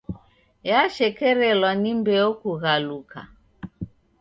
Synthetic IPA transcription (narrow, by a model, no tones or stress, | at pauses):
jaʃɛkɛɾɛlwanimbɛɔkuɣaluka̰